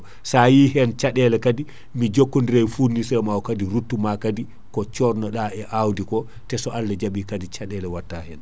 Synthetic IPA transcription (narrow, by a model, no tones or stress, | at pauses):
sajihɛnt͡ʃaɗɛlɛkadi | mid͡ʒokːondiɾajfuɾnisɛmawɔkadiɾutːumakadi | kɔt͡ʃɔɾnɔɗaɛʔawdikɔ | tɛsɔʔalːad͡ʒaɓikadit͡ʃaɗɛlɛwatːahɛn